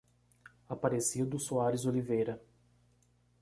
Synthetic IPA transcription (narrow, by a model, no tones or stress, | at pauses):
apaɾesid̪ʊsuaɾɪzolivejɾɐ